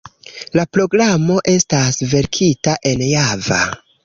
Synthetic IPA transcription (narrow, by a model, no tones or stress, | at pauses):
lapɾo̞ɡɾamo̞ʔe̞stasve̞ɾkʰitaʔe̞njava̰